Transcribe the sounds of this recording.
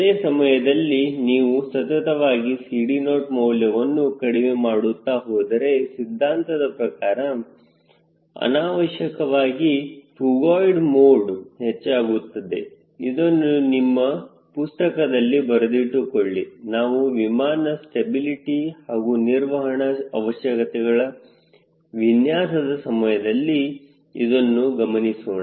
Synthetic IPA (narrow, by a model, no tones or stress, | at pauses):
d̪eːsɐmɐjɐd̪ɐlːiniːʋusɐt̪ɐt̪ɐʋaːɡisiːɽinoːʈmɔwljɐʋɐnːukɐɽiʋemaːɽut̪ːaːɦoːd̪ɐɾe̞sid̪ʱːaːnt̪ɐd̪ɐpɾɐkaːɾɐ | ɐ̰naːʋɐʃɐkɐʋaːɡifuɡaːjɖmoːɖhet͡ʃːaːɡut̪ːɐd̪e | id̪o̞nːunimːɐ | pust̪ɐkɐd̪ɐlːibɐɾɐd̪iʈːukoɭːinaːʋuʋimaːnɐsʈebiliʈihaːɡuniɾʋɐɦɐɳɐɐ̰ʋɐʃjɐkɐt̪ɛɡɐɭɐ | ʋinjaːsɐd̪ɐsɐmɐjɐd̪ɐlːi | id̪o̞nːuɡɐmɐnisoːna